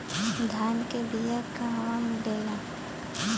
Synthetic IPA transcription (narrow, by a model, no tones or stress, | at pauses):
d̪ʱaːnkebijakːaɦãmʊɖeːla